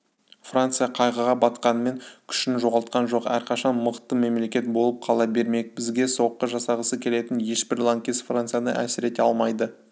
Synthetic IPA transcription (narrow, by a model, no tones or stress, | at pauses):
frant̪sɨjɑqʰɑjʁəʁɑbɑt̪qɑnəme̞ŋkʲʰʏ̥ʃɪnʒo̞ʁɑlˠt̪̚qɑnʒo̞qæɾqʰɑʃɑnməqt̪ːəme̞mle̞kʲe̞t̪̚bo̞lˠəp̚qʰɑlˠɑbe̞ɾme̞kbɪzɡʲe̞so̞qːəʒɑsɑʁəsəkʲʰe̞le̞t̪ɪnje̞ʃbɪɾlˠaŋkʲesfrant̪sɨjanə̰ʔæ̰sɪɾe̞t̪eɑlˠmɑjd̪ə